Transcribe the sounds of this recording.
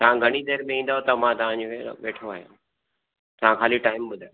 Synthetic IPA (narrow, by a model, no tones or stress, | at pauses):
t̪ɐʋ̤ãɡʱɐɽ̃id̪eːɾmẽĩːn̆d̪aːot̪ɐmãt̪ɐʋ̤ãd͡ʑoḛʋeːʈʰoaːɦijõ̰ | t̪ɐʋãkaːliʈaːɪmɓʊd̪ʱaːjo